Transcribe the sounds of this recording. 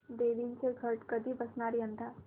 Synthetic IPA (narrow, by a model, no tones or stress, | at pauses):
d̪eʋinseɡʱəɾʈkəd̪ʱibəsnaːɾjə̃nd̪aː